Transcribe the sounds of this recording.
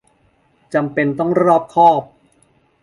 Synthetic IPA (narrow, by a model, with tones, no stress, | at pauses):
t͡ɕa˧mpe˧nt̪ɔ˥˩ŋɾɾɔː˥˩p̚kʰɔː˥˩p̚